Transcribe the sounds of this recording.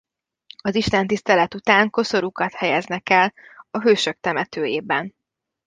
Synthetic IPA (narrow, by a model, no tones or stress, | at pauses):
ɒziʃt̪ɛnt̪ist̪ɛlɛt̪ut̪aːŋko̞so̞ɾukɒt̪hɛjɛznɛkɛlɒɦøːʃø̞k̚t̪ɛmɛt̪øːjeːbɛn